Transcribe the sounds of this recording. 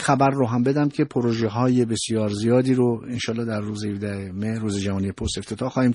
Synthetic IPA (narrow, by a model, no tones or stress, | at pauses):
xæbæɾːoɦæmbe̞d̪æmcʰe̞pʰoɾoʒeɦɒːje̞be̞sijɒːɾzijɒːd̪iːɾoenʃɒːlːɒːd̪æɾːuːzehevd̪æhemehruːzed͡ʒævɒːnijepʰost̪e̞ft̪ʰe̞t̪ʰɒːhxɒːhiːm